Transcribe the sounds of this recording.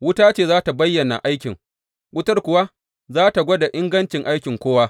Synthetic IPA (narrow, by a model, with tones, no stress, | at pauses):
wʊ˦taː˦t͡ʃeː˦˨zaː˦ta˨bɐ˦jːɐ˨na̰˨ʔa˦jkʲɪ˨ŋ | wʊ˦tɐ˦rkʷʊ˨wa˦ | zaː˦ta˨ɡʷɔ˦da˨ʔɪ˦ŋɡɐ˦nt͡ʃɪ˨ŋʔa˦jkʲɪ˨ŋkʷoː˦waː˦